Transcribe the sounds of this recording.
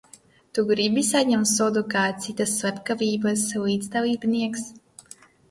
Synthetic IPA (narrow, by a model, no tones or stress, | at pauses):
t̪uɡɾibisaɲɛmt̪suɔd̪ukaːt̪sit̪asːvapkaviːbasliːd̪zd̪alˠiːbniɛks